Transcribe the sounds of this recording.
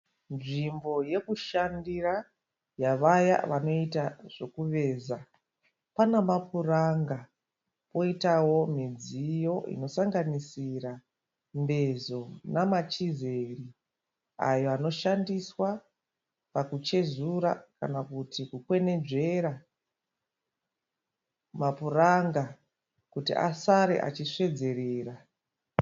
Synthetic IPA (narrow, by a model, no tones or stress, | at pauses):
nʐimbo̞je̞kuʃandira | jaʋaja̰ʋano̞itaʐ̥e̞kuʋe̞ːza | panamapuraŋɡa | po̞itawo̞mid͡zijo̞ḭno̞saŋɡanisira | mbe̞zo̞namat͡ʃize̞ri | a̰jo̞ano̞ʃandiswa | pakut͡ʃe̞zuɾa̰kanakutʰikukwe̞ne̞d͡ʒe̞ɾa | mapuraŋɡa | kutḭʔa̰saɾḛʔa̰t͡ʃiʂe̞d͡ze̞ɾeːra